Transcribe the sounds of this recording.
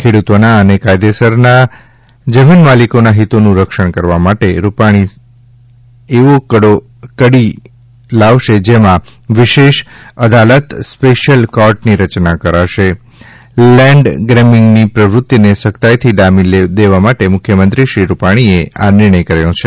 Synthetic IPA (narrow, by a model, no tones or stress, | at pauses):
kʰeɽut̪onaənekajd̪esəɾna | d͡ʒəminmalikonaɦit̪onũɾəkʃəɳ̃kəɾʋamaʈeɾupaɽ̃i | eʋokəɽo | kəɽi | laʋʃed͡ʒemã | ʋɪʃeʃəd̪alət̪speʃəlkaɾʈniɾət͡ʃnakəɾaʃe | lɛ̃ɳɖɡɾɛmɪŋɡnipɾəʋɾut̪ːinesəkt̪ajt̪ʰiɖamid̪eʋamaʈemʊkʰːjəmənt̪ɾiʃɾiɾupaɽ̃iea̰nɪɾɳ̃əjkəɾajõt͡ʃʰe